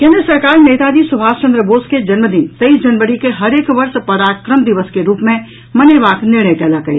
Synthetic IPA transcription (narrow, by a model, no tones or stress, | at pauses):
kẽːnd̪ɾəsɐɾkaːɾneːt̪ad͡ʒiːsʊbʱaːst͡ʃɐ̃nd̪ɾəboːsked͡ʒɐnməd̪ɪnt̪ɐisd͡ʒɐnʋəɽikeɦɐɾeːkʋɐɾʃpɐɾaːkɾəmd̪ɪʋəskeɾuːpmẽ | mɐneʋaːknɪɾɳəjkɛːlakɐḛː